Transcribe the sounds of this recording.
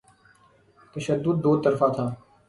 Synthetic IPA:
t̪əʃəd̪ːʊd̪̚ːoːt̪əɾfaːt̪ʰaː

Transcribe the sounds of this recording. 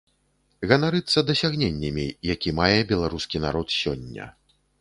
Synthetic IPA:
ɣɐnaɾɨt̪sːɐd̪ɐsʲaɣnʲenʲːɐmʲijakʲimajɛbʲɛlˠaɾuskʲina̰ɾɔt̪sʲɔ̰nʲːɐ̰

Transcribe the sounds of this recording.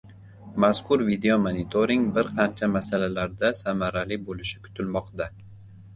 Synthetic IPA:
maskʰʊɾvid̪eomanɪt̪ʰoɾɪŋɡbɪɾqʰɑnt͡ʃʰamasalalaɾd̪asamaɾalɪbolɪʃɪ̥kʰʊ̥t̪ʰɪlmɒqd̪a

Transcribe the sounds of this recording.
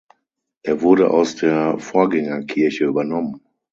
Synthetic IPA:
ʔeːɐvʊɐɾəʔa̰ʊsd̥eːɐfoːɐɡɛŋɐkʰɪɐçəyːbɐnɔmən

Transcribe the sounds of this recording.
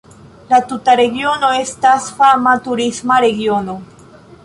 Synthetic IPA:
latutaɾe̞ɡio̞no̞e̞stasfamatuɾismaɾe̞ɡio̞no̞

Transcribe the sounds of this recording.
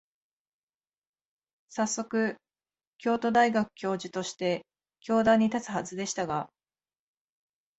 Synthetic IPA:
sasːo̞kɯ̟ | kʲo̞ːt̪o̞d̪aiɡakɯ̟̥kʲo̞ːʑit̪o̞ɕi̥t̪e̞ | kʲo̞ːd̪ãɲ̟ːit̪at͡sɨ̥hazɨd̪e̞ɕi̥t̪aɡa

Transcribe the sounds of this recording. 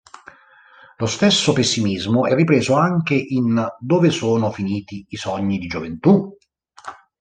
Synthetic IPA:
lost̪esːopesːimizmʊʔɛrːipɾeːzoaŋk̟eʔind̪oːvesoːnofiniːt̪iisɔɲːid̪id͡ʒovent̪u

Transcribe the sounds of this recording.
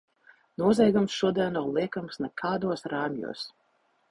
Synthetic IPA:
nuɔzʲɛjɡumsʃuɔd̪iɛnːawlˠiɛkamsnɛkʰaːd̪uɔsɾaːmʲjṵːs

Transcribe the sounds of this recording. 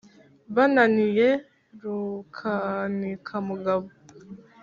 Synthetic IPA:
βananije | ɾukʰanikʰamuɡaβo

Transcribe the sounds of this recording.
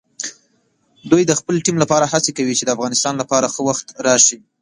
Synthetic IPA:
d̪ujd̪əxpəlʈimlapɑɾahat͡sekawit͡ʃed̪əafɣɑnɪst̪ɑnlapɑɾaxəwaxt̪ɾɑʃi

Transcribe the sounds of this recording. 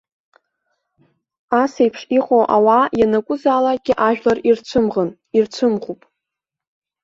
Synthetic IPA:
asejpʰʂiqʼoʔawajanakʷʼʊzaːlaɡ̥ʲɪʔaʒᶣlarirt͡ɕʷʰɨmʁən | irt͡sʷʰɨmʁupʼ

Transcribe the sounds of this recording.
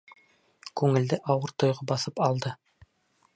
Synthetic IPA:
kʉŋɘ̆ld̪ɘʔɑwɤɾt̪ŏjʁɑbɑθɤpɑlˠd̪ɤ

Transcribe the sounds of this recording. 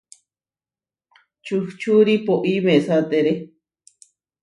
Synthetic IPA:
t͡ʃuht͡ʃuɾipoʔimẽʔsat̪eɾe

